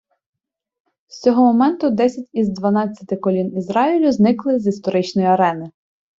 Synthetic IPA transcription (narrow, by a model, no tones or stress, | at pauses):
st͡sʲɔɦɔmɔmɛnt̪ʊd̪ɛsʲɐtʲizd̪ʋɐnɑt͡sʲːɐ̥t̪ɪkɔlʲinizɾɑilʲʊznɪklˠɪzist̪ɔɾɪt͡ʃnɔjiɐɾɛnɪ